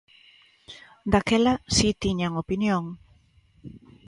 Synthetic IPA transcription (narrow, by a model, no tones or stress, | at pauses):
d̪akɛlasit̪iɲaŋopinjoŋ